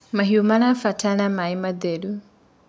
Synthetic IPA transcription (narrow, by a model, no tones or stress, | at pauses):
maɦiumanafatʰanamaimaðeɾu